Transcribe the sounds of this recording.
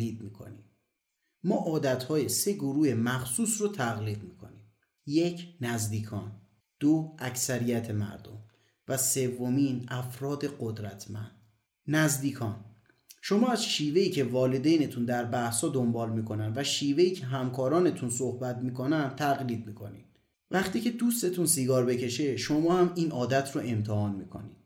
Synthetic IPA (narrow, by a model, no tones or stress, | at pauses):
iːd̪̚miːkʰo̰nim | mɒːʔɒːd̪æt̪hɒːjese̞ɡoɾuːhe̞mæxsuːsɾot̪ʰæɣliːd̪miːkʰo̞̰nim | jecʰnæzd̪iːkʰɒːn | d̪̥oæcsæɾijæt̪ʰe̞mæ̰ɾd̪o̰m | væse̞vːomiːnæfɾɒːd̪e̞ɢod̪ɾæt̪ʰmæ̰nd̪̥̚ | næzd̪iːkʰɒːn | ʃo̞mɒːæzʃiːve̞iːcʰe̞vɒːled̪ejne̞t̪ʰund̪æɾbæhshɒːd̪ombɒːlmiːkʰo̞nænvæʃiːve̞iːcʰe̞ɦæmkʰɒːɾɒːne̞t̪ʰunsohbæt̪̚miːkʰo̞nænd̪t̪ʰæɣliːd̪̚miːkʰo̞̰nḭd̪̥ | væχt̪ʰiːcʰe̞d̪ust̪e̞t̪ʰunsiːɡɒːɾbe̞cʰe̞ʃe̞ʃomɒːhæmiːnʔɒːd̪æt̪ʰɾoʔe̞mt̪ʰehɒːnmiːkʰo̞̰nḭd̪̥